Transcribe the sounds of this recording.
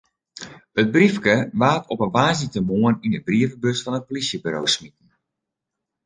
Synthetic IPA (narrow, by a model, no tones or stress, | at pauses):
ət̚brifkəʋaːtʰɔpənʋaːzitəmoəninəbriəvəbøsfɑnət̚polisjəbyɾo̰wsmit̚ən̩